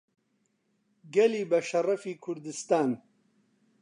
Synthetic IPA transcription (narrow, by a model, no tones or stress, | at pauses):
ɡɛliːbɐʃɐrɐfiːkʰʊɾd̪ɨst̪aːn